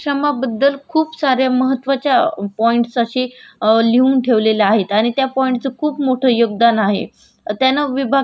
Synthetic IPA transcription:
ʂəmabəd̪ːəlkʰuːpsaɾjaməɦət̪ʋat͡ɕjapɔiɳʈsaɕileuːnʈʰeʋleləaɦet̪aɽ̃it̪japɔiɳʈt͡səkʰuːpmoʈʰəjoɡd̪anaɦḛ | t̪janːaʋibʱa

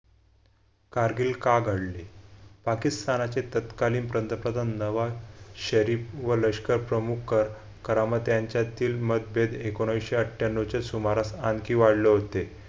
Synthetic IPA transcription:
kaɾɡiːlkaɡʱəɽlepakist̪anat͡set̪ət̪kaliːnpɾənt̪əpɾəd̪ʱannəʋaɕəɾiːfʋələɕkəɾpɾəmukʰːəɾ | kəɾamət̪jaɲt͡ɕjat̪iːlməd̪̚bed̪ekoɽ̃ajɕeəʈʰjanːot͡ɕesumaɾasankiːʋaɽleɦot̪e

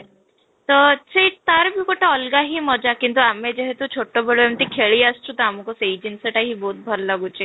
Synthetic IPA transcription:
t̪ɔt͡ɕet̪aɾbʱikoʈʰaɔlɡaɦimɔd͡ʑakint̪̬uamed͡ʑeɦet̪ut͡ɕʰoʈːobʱeɭoemt̪ikʰeɭiːəst͡ɕut̪əamukɔsed͡ʑinsəʈaɦiboːt̪̚bʱɔɾlaɡut͡ɕe

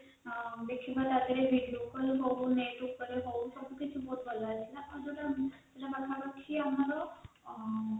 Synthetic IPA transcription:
d̪ekʰibat̪ad̪eɾebʱiɖiokɔɾeɦobneʈukːɔɾeɦooʃɔbʱukit͡ʃʰubod̪bɔlat͡ʃʰilaad͡ʒoʈa | eʈabakʰapaʃʰiamaɾo

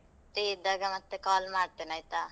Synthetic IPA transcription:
t̪eːd̪ɐɡamɐt̪ːekaːlmaːɽt̪enajt̪a

